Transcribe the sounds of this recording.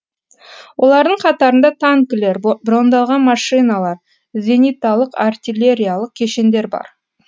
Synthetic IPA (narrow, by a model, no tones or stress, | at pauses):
wʔo̞lˠɑɾd̪əɴqʰɑt̪ɑɾənd̪ɑt̪ʰaŋkʲɪle̞ɾbɾo̞nd̪ɑlˠʁɑnmɑʂɨjnɑlˠɑɾ | zʲe̞nijt̪ɑlˠəqart̪ʲilʲe̞ɾʲijalˠəq̚kʲʰe̞ʃe̞nd̪e̞ɾbɑ̰ɾ